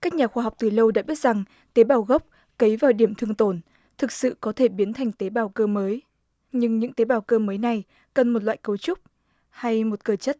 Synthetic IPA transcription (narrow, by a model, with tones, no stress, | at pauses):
kaː˦˥k̚ɲaː˨˩xwaː˧ɦa˨˩wk͡p̚t̪ɨ˨˩lə˧wɗa̰ː˧˥ɓi˦˥ət̚z̥a˨˩ŋ | t̪e˨˦ɓaː˨˩wɣə˦˥k͡p̚ | kə˨˦jvaː˨˩wɗi˧˩əmt̪ʰɨ˧əŋt̪o˧˩n | t̪ʰɨ˨˩k̚sɨ̰˧˨kɔ˨˦t̪ʰe˧˩ɓi˨˦ənt̪ʰɛ˨˩jŋ̟t̪e˨˦ɓaː˨˩wkəː˧məː˨˦j | ɲɨ˧ŋɲɨ̰˧˥ŋt̪e˨˦ɓaː˧˩wkəː˧məː˨˦jna˨˩j | kə˨˩nmo˨˩t̚lwa̰ː˧˨jkə˨˦wt͡ɕʊ˦˥k͡p̚ | ha˧jmo˨˩t̚kəː˧˩t͡ɕə˦˥t̚